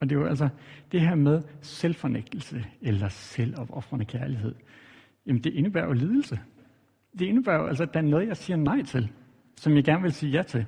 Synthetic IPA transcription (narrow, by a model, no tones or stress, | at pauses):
ɒ̽d̥e̝joæls̬ɐd̥e̝ɦæɐ̰með̞ˠselfɒneɡ̥̚d̥l̩səelɐsel̰ɒ̽b̥ɒ̽fʁɐnəkʰæɐliɦe̝ð̰ˠ | jæmənd̥e̝ʔe̝nəbæ̰ɐ̰joliːð̞ˠl̩sə | d̥e̝e̝nəb̥æːɐ̰joʔælsɐd̥ææɐnɔ̽ːð̞̩ˠjɑ̈ɪsiːɐnɑ̈ɪ̰t͡sʰe̝l | sɒ̽mjɑ̈ɪɡ̥æɐnʋe̝lsiːjæt͡sʰe̝l